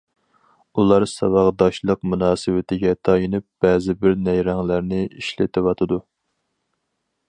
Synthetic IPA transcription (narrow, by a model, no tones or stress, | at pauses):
ulˠɑɾsɑwɑʁd̪ɑʃlˠəqmunɑːsɨwɪt̪ʰɪɡʲɛt̪ʰɑjinɨp̚b̥ɛːzɪbɪɾnɛjɾɛŋlæɾnɪiʃlɪt̪ʰɪwɑt̪ʰɨd̪u